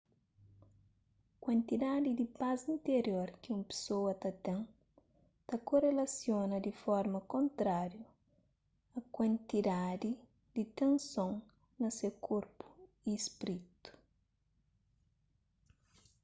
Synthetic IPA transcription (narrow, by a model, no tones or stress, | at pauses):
kwɐ̃nt̪id̪ad̪id̪ipazĩnt̪eɾjoɾkiũmpe̥sowɐt̪ɐt̪ẽŋ | t̪ɐkorelɐsjonɐd̪ifɔɾmɐkõnt̪ɾaɾju | ɐkwɐ̃nt̪id̪ad̪i | d̪̥it̪ẽnsõŋ | nɐsekʰoɾpu̥ | ispɾit̪u̥